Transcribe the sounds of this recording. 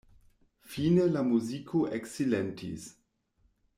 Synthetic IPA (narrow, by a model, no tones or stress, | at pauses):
finelamuzikʰoʔeksilentḭs